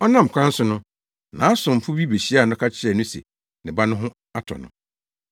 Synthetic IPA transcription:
ɔ˦nã˦m̩˨kʷʰã˦n̩˦sʊ˦nʊ̃˦ | nã˨˦a˦sʊ̃˨m̩˨fʊ˦bi˦be˨ɕi˦a˨nʊ˦kʰa˦t͡ɕʰɪ˦ɛ˨nʊ̃˦sḛ˨ | nɪ̃˨ba˦nʊ̃˦ɦʊ̃˦ | a˦tʰɔ̰˨nʊ̰̃˨

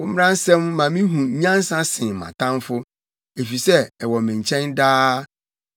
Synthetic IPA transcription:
wʊ̃˦m̩˦ɾã˦n˦sɛ̃˦mːã˨mĩ˦ɦũ˨˦ɲã˦n˦sã˦sɪ̃˨mã̰˨tʰã˦mfʊ˦ | e˨fi˨sɛ˦ɛ˨wɔ˨mɪ̃˨ɲ˨t͡ɕʰɛ̃˦ndaː˦

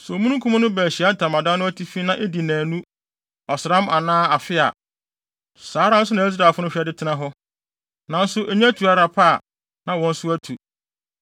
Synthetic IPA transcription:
sɔ˨mũ˦nũ˦kʰu˦mã˦nʊ̃˦bæː˨ɕi˨a˦n̩˨tʰã˨mã˨dã˦nʊ̃˦æ˦tʰi˦fi˦nã˦ʔe˦di˨næ̃ː˨nũ˦ | ɔ˨sɪ˨ɾã˦mʔa˨nãː˦a˨fɪ˦a̰˨ | saː˨˦ɾã˦n̩˦s̬ʊ˦nã˨i˦s̬ɾa˨lfʊ˦nʊ̃˦ɕᶣɛ˦dɪ˦tʰɪ˦nã˦ɦɔ˦ | nã˨n̩˦sʊ˦ʔe˨ɲĩ˦æ˦tʰu˨a˦ɾa˨pʰa˦˨ | nã˨wɔ̃˨n̩˦sʊ˦æ˦tʰu˨

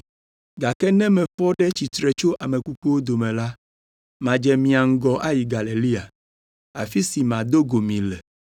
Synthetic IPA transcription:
ɡa˨kɛ˦nɛ̃˦mɛ̃˨ɸɔ˦ɖɛ˦t͡ɕi˨t̪ɾɛ˨t͡ʃo˦ʔa˨mɛ̃˨ku˦k͡pu˦wo˦d̪o˨mɛ̃˨la˦ | mã˨d͡ʒɛ˨mĩ˨a˨ŋ̩˦ɡɔ˦ʔa˦ji˨ɡa˨le˨li˦a˨ | a̰˨fi˦si˨mã˨d̪o˦ɡo˨mĩ˨lɛ˨

